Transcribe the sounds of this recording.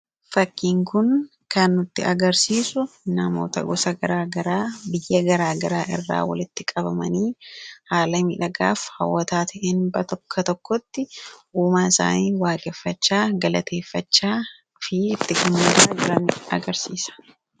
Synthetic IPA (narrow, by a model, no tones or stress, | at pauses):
fɐkːiːŋkʊn | kɐnːʊt̪ːɪɐɡɐɾsiːsʊnɐmo̰ːt̪ɐ̰ɡɔsɐɡɐɾaːɡɐɾaːbɪjːɐɡɐɾaːɡɐɾaːʔɪrːa̰ːwɐ̰lɪt̪ːɪkʼɐbɐmɐniːhaːlɐmiᶑɐɡa̰ːfhɐwːɐt̪aːt̪ʰɐʔɛnbɐt̪ɔkʰːɐt̪ɔkːɔt̪ːɪʔuːmaːɪsa̰ːniːwaːɡɛfːɐt͡ʃːaːɡɐlɐt̪ʰe̞ːfːɐt͡ʃːaː | fɪɪt̪ːɪkʊnːeːɾɐɐd͡ʒʊɾɐnɪɐ̰ɡɐɾsiːsɐ̥